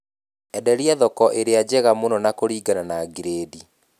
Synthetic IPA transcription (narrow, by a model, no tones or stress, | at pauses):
ɛdɛɾiɛðɔkɔʔeɾead͡ʑɛɣamonɔnakoɾiːɡananaɡiɾeːdi